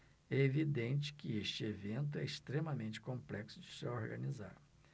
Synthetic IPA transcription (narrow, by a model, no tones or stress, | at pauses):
ɛevid̪ẽnt͡ʃɪ̥kɪeʃt͡ʃɪevẽnt̪̬ʊɛɪst̪ɾemɐmẽnt͡ʃɪ̥kõplɛksʊd͡ʒɪsɪoɾɡɐniza̰ɾ